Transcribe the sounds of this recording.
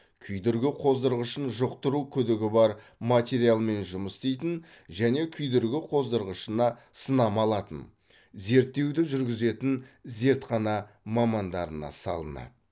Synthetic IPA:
kʲʰʏjd̪ɪɾɡʲɪqʰo̞zd̪əɾʁəʃənʒoq̚t̪əɾukʲʰʏd̪ɪɡʲɪbɑɾ | mat̪ʲe̞ɾijalˠme̞nʒʊməst̪ejt̪ɪn | ʒæne̞kʲʰʏjd̪ɪɾɡʲɪqʰo̞zd̪əɾʁəʃənɑsənɑmɑlˠɑt̪ə̰n | ze̞ɾt̪ːe̞wd̪ɪʒʏɾɡʲɪze̞t̪ɪnze̞ɾt̪qɑnɑ | mɑmɑnd̪ɑɾənɑ̰sɑ̰lˠə̰nɑ̰d̪ə

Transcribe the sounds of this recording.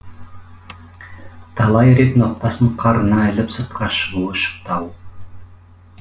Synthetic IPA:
t̪ʰɑlˠɑjɾet̪noq̚t̪ɑsəɴqʰɑɾənɑɪlɪpsəɾt̪̚qʰɑʃəʁuəʃə̥q̚t̪ɑw

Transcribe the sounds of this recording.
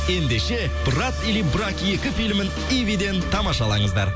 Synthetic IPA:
e̞nd̪e̞ʃe̞ | b̥rat̪ilibɾakje̞kʲɪfilmɪn | ivid̪e̞nt̪ʰɑmɑʃɑlˠɑɴəzd̪ɑ̰ɾ

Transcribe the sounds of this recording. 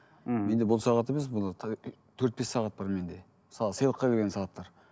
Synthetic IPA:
me̞nd̪e̞bʊlˠsɑʁɑt̪e̞me̞s̬bolɑ | t̪ʰɵɾt̪̚be̞sːɑʁɑt̪̚bɑɾme̞nd̪e̞ | məsɑlˠəsəjlˠəqːɑkʲʰelɡʲe̞nsɑʁɑt̪ːɑɾ

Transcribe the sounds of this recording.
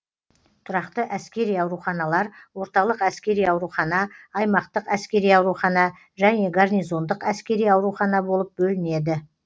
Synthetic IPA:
t̪ʰʊɾɑqt̪əʔæskʲe̞ɾijɑwɾuχɑnɑlˠɑɾwo̞ɾt̪ɑlˠəqæskʲe̞ɾijɑwɾuχɑnɑːjmɑqt̪əqæskʲe̞ɾijɑwɾuχɑnɑ | ʒæne̞ɡarnijzo̞nd̪əqæskʲe̞ɾijɑwɾuχɑnɑbo̞lˠəp̚bɵlɪne̞d̪ɪ

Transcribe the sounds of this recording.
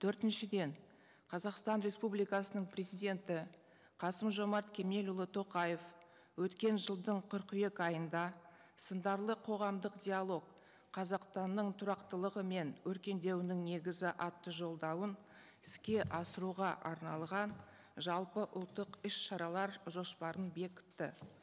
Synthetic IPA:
t̪ʰɵɾt̪ɪnʃɪd̪e̞ɴ | qʰɑzɑqst̪ɑnɾe̞spublijkɑsənəɴprʲɾe̞zijd̪ʲe̞nt̪ɪ | qʰɑsəmʒo̞mɑɾt̪kʲʰe̞me̞lʊlˠət̪ʰo̞qɑje̞f | wɵt̪kʲe̞nʒəlˠd̪əɴqʰəɾqʏje̞kɑjənd̪ɑ | sənd̪ɑɾlˠəqʰo̞ʁɑmd̪əqd̪ʲialˠo̞k̚ | qʰːɑzɑqst̪ɑnːəɴt̪ʰʊɾɑqt̪əlˠəʁəme̞nwɵɾkʲe̞nd̪e̞wɪnɪŋne̞ɡʲɪzɪʔɑt̪ːəʒo̞lˠd̪ɑwən | ɪ̥skʲe̞ʔɑsəɾuʁɑʔɑɾnɑlˠʁɑn | ʒɑlˠpəʔʊlˠt̪ːəqɪʃʃɑɾɑlˠɑɾʒo̞spɑɾənbe̞kʲɪ̥t̪ːɪ

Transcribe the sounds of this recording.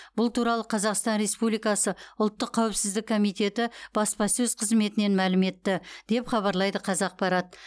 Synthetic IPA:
b̥ʊlˠt̪uɾɑlˠəqʰɑzɑqst̪ɑnɾe̞spublijkɑsəʊlˠt̪ːəqʰːɑwɪpsɪzd̪ɪkʰo̞mijt̪e̞t̪ɪb̥ɑspɑsɵz̥qʰəzme̞t̪ɪne̞nmælɪme̞t̪ːɪd̪̥e̞pχɑβɑɾlˠɑjd̪əqʰɑzɑq̚pɑɾɑt̪̚

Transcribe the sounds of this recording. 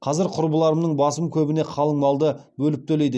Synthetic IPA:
qʰɑzɪɾqʰʊɾbəlˠɑɾəmnəɴbɑsəmkʲʰɵbɪne̞qʰɑlˠəɴmɑlˠd̪əbɵlɪp̚t̪ʰɵlejd̪ɪ

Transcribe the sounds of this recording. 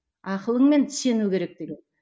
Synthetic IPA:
ɑqəlˠəɴme̞nt̪ʰɪ̥se̞nukʲʰe̞ɾe̞k̚t̪eɡʲen

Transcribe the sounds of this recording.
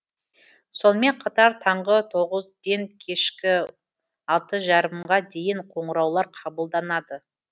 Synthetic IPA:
so̞nəme̞ɴqʰɑt̪ɑɾt̪ʰɑɴʁət̪ʰo̞ʁəzd̪e̞ŋkʲʰe̞ʃkʲɪ | ɑlˠt̪əʒɑɾəmʁɑd̪e̞jɪɴqʰo̞ɴəɾɑwlˠɑɾqʰɑbəlˠd̪ɑnɑd̪ə

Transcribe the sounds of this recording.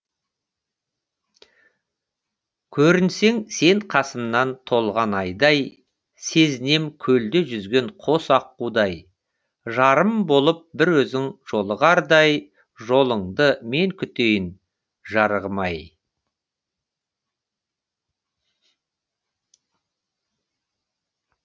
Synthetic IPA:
kʲʰɵɾɪnse̞ŋse̞ɴqʰɑsəmnɑnt̪ʰo̞lˠʁɑnɑjd̪ɑj | se̞zɪne̞mkʲʰɵld̪ɪʒʏzɡʲe̞ŋqʰo̞sɑqːud̪ɑj | ʒɑɾəmbo̞lˠəp̚bɪɾwɵzɪŋʒ̥o̞lˠəʁɑɾd̪ɑj | ʒo̞lˠəɴd̪əme̞ŋkʲʰʏt̪ejɪn | ʒɑɾʁəmɑj

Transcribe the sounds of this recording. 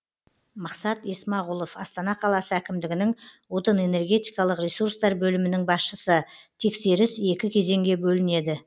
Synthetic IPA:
mɑqsɑt̪esmɑʁʊlˠo̞fɑst̪ɑnɑqʰɑlˠɑsəækʲɪmd̪ɪɡʲɪnɪŋwo̞t̪əne̞ne̞rɡʲe̞t̪ijkɑlˠəqrʲesuɾst̪ɑɾbɵlɪmɪnɪŋbɑsʃəsət̪ʰe̞kse̞ɾɪse̞kʲɪkʲʰe̞ze̞ŋɡʲe̞bɵlɪne̞d̪ɪ

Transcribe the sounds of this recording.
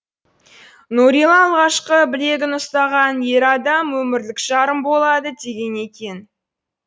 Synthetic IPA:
nuɾilˠɑːlˠʁɑʃqəbɪle̞ɡʲɪnʊst̪ɑʁɑnje̞ɾɑd̪ɑmwɵmɪɾlɪkʒ̥ɑɾəmbo̞lˠɑd̪əd̪e̞ɡʲe̞ne̞kʲe̞n

